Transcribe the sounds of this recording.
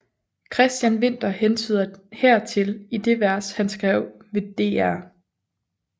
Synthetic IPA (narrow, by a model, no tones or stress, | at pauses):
kʰʁɛsd̥jænʋe̝n̰d̥ɐhent͡sʰyðˠɐhæɐ̰t͡sʰe̝lid̥e̝ʋæɐshænsɡ̥ʁɛʊ̰ʋe̝d̥e̝̰ːæɐ̰